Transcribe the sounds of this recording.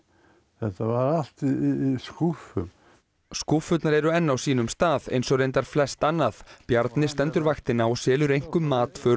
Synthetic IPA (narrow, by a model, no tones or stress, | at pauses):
θɛht̪avaɾal̥t̪iskufʏm | skufʏt̪naɾɛɾʏɛnːawsiːnʏmst̪aːðḛjnsɔɣɾrejnt̪aɾ̥flɛst̪anːaθpjaɾt̪nɪst̪ɛnt̪ʏɾvaxt̪ɪnːaɔsɛːlʏɾejŋ̥kʏmːaːt̪fœː